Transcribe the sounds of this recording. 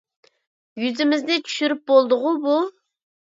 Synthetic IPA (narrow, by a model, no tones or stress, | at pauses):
jyzɪmɪzd̪ɪt͡ʃʰy̥ʃyɾyp̚bolˠd̪ʊʁʊbu